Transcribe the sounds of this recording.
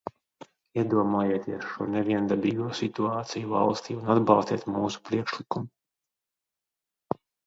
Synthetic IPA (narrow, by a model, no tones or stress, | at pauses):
iɛd̪uɔmaːjeːt̪iɛsʃuɔnɛviɛnd̪abiːɡuɔsit̪uaːt̪sijuva̰lˠst̪iːunad̪bɑlˠst̪iɛt̪muːsu̥pɾiɛkʃlikumu